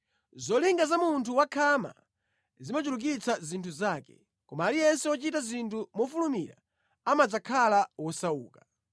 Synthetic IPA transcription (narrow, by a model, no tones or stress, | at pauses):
zɔliŋɡazamuntʰuwakʰama̰ | zimat͡ʃuluk̬it͡sʰazintʰuzaːkɛ̥̰ | kɔmaːlijɛnsɛɔt͡ʃitazintʰumɔfulumḭɾa̰ | amad͡zakʰalawɔsaṵːkḁ